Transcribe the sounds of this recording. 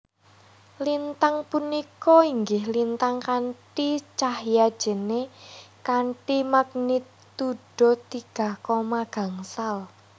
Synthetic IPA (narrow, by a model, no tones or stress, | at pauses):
lint̪aŋpunikɔiŋɡɪhlint̪aŋkaɳʈit͡ʃahjad̥ʒ̥ə̤nekaɳʈimaɡ̥̚nit̪ː | uɖ̥ɔ̤t̪iɡ̥a̤hkɔmaɡ̥a̤ŋsal